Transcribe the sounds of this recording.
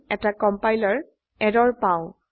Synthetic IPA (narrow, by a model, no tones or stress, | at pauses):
ɛtakɔmpajlɔɹ | ɛdɔɹpaʊ̃